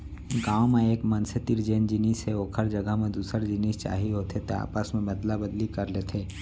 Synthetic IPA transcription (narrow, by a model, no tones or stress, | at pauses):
ɡãːwmẽeːkmənset̪iɾd͡ʒeːnd͡ʒɪniːsɦeoːkʰəɾd͡ʒəɡʱəɦmẽd̪uːsəɾd͡ʒɪniːst͡ʃa̰ːɦiɦoːt̪ʰet̪oa̰ːpasmẽbɐd̪labəd̪likəɾleːt̪ʰeː